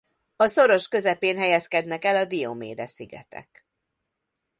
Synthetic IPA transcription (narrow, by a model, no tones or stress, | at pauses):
ɒso̞ɾo̞ʃkø̞zɛpeːnɦɛjɛskɛd̪nɛkɛlɒd̪ijomḛːd̪ɛsiɡɛ̰t̪ɛ̰k